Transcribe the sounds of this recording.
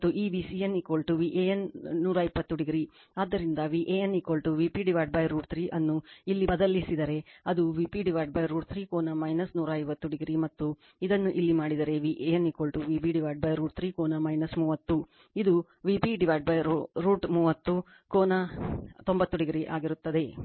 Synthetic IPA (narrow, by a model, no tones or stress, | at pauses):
t̪ːuʔiːʋisijɐnikolʈuʋiʔejɐnːuːɾɐipːɐt̪ːuɽiɡɾi | aːd̪ːɐɾind̪ɐʋiːʔejɐnːikoːlʈuʋiːpiɖiʋaːjɖ̚bɐjɾuːʈt̪ʰɾiːʔɐnːuilːibɐd̪ɐlisid̪ɐɾe̞ɐd̪uʋiːpiɖiʋaːjɖ̚bɐjɾuːʈ̚t̪ʰɾiːkoːnɐmɐjnɐsnuːɾɐɐjʋɐt̪ːuɽiɡɾimɐt̪ːu | id̪ɐnːuʔilːimaːɽid̪ɐɾe̞ʋiʔejɐnikoːlʈuʋiːpiɖiʋaːjʈ̚bɐjɾuːʈ̚t̪ʰɾiːkoːnɐmɐjnɐsmuːʋɐt̪ːu | id̪u | ʋipiɖiʋaːjʈ̚bɐjɾuːʈmuːʋɐt̪ːu | koːnɐt̪o̞mbɐt̪ːuɖiɡɾiʔa̰ːɡiɾut̪ːɐd̪e̞